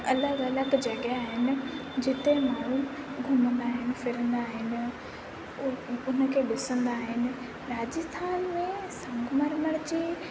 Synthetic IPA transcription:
ɐləɡɐləɡd͡ʑɐɠaːɦɪnɪ̆d͡ʑɪt̪emaːɳ̤uɡʱʊmə̃nd̪aːɦɪnɪ̆fɪɾə̃nd̪aːɦɪnɪ̆ | ʊnəkʰeɗɪsə̃nd̪aːɦɪnɪ̆ | ɾaːd͡ʑəst̪ʰaːnmẽsɐ̃ŋɡməɾməɽt͡ɕi

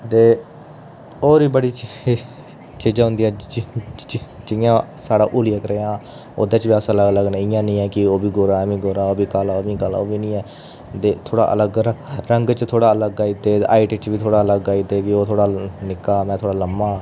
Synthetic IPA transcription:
t̪eː | oːɾiːbəɽiː | t͡ʃiːd͡ʒaːɦʊ̃nd̪iːɛː | d͡ʒɪjãːsaːɽaːʔuːlɪjaːkəɾeːãː | o̰ːd̪eːt͡ʃbiːaːsələɡələɡnəɪ̃ːjãːnĩːɛːkɪoːbiːɡoːɾaːmĩːɡoːɾaːoːbiːkaːlaːoːbĩːkala̰ːoːbiːnĩːɛː | t̪eːt̪ʰoːɽa̰ːʔə̰ləɡəɾəŋɡt͡ʃt̪ʰoːɽaːələɡaːit̪eːʔaːɪʈt͡ʃʋiːt̪ʰoːɽaːələɡaːid̪eːkɪoːt̪ʰoːɽaːnɪkːaːmɛ̃ːt̪ʰoːɽaːləmːaː

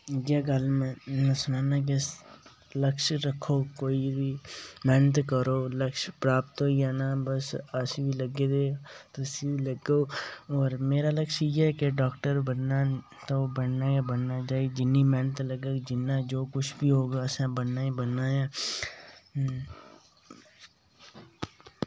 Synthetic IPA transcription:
ɡaːɡəlmɛ̃mɛ̃ːsʊnãːnak̬ | ləkʃɾəkʰːoːkoːibʱiːmɛnət̪kəɾoːləkʃpɾaːpt̪oːjaːnaːbəsəsiːbiləɡeːd̪eːt̪ʊsĩːləɡoːɔːɾmeːɾaːləkʃiɛːkeɖɔːkʈəɾbənːa | t̪obənnaːjabənnaːd͡ʒaːid͡ʒɪnːiːmɛːnət̪ləɡeːd͡ʒɪnːaːd͡ʒoːkʊt͡ʃʰbʱiːɦoːɡaːsãːbənnaːibənːaːjaː

